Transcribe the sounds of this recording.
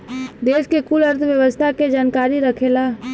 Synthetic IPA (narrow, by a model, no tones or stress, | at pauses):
d̪eːskekulɐɾt̪ʰʋjəʋəst̪ʰaked͡ʒaːnkaːɾiɾəkʰelaː